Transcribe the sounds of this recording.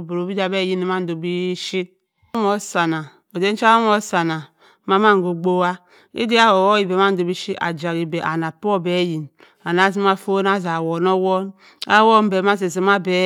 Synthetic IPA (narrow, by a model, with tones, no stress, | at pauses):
bo˨ɾo˨bi˦da˨be˦ji˦ni˨ma˦n̩˨do˨bi˦ʃi˦t̚ | m˦o˨sa˨na˨ | o˨de˦n̩˦t͡ʃa˦o˦m˦o˦sa˨na˨ | ma˦ma˦ŋ˨ɡo˨ɡ͡bo˦wa˦ | ḭ˦di˦a˦wo˨wo˦i˨be˨˦ma˦n̩˦do˨bi˦ʃi˦a̰˨d͡ʒa˨ɣi˨be˨ʔa˨na˨po˦˨be˨˦ji˨n | a˨na˨˦z̬i˦ma˦fo˦n˦a˦za˨wo˨no˦wo˦n | a̰˦wo˦m˦be˨ma˦z̬e˨zi˨ma˦be˨